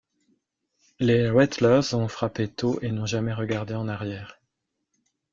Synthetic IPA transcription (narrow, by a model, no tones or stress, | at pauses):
lewɛt̪lœʁzɔ̃fχapet̪oʔenɔ̃ʒamɛʁəɡaʁd̪eɑ̃naʁjɛːʁ